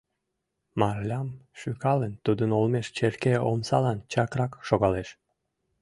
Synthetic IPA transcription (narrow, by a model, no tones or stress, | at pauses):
mɑrlʲɑmʃykɑlənt̪ud̪ənolmeʃt͡ɕerkeomsɑlɑnt͡ɕɑkrɑkʃoɣɑleʃ